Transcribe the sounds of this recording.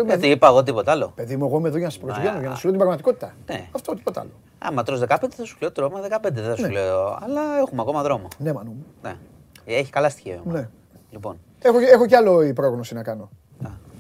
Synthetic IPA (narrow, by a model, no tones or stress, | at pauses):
mɐt̪iipɐeɣot̪̬ipo̞t̪ɐlo̞pe̞ðimueɣo̞imeðo̞ʝɐnɐse̥pɾozʝɐnoʝɐnɐsu̥libɾɐɣmɐt̪iko̞t̪i̥t̪ɐneɐft̪ot̪ipo̞t̪ɐ̰lo̞ | ɐ̰mɐt̪ɾozðe̞kɐpend̪eθɐsu̥leot̪t̪ɾomɐðekɐpend̪eðeθɐseuleoɐ̰lɐexumeɐko̞mɐðɾo̞mone̞mɐnumenḛ | eçi̥kɐlɐst̪i̥çeone̞ | lipo̞n | exoexo̞ceɐloipɾoɣno̞sinɐkɐno̞ | ɐ